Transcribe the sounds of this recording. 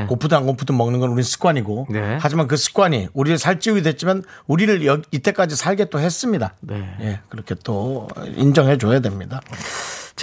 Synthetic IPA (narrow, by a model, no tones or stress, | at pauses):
kopʰudaŋkopʰudomʌŋnɯnɡʌnuɾinnsʰɯ̥k͈waɲiɡoehad͡ʑimank̬ɯsʰɯ̥k͈waɲiuɾiɾɯɭsʰaɭt͡ɕ͈iuɡidwe̞t͡ɕ͈imanuɾiɾɯɭjʌit͈e̞k͈ad͡ʑisʰaɭɡe̞t͈ohe̞s͈ɯmɲidaneje̞kɯɾʌkʰe̞t͈oḭnd͡ʑʌŋɦe̞d͡ʑojadwe̞mɲida | t͡ɕ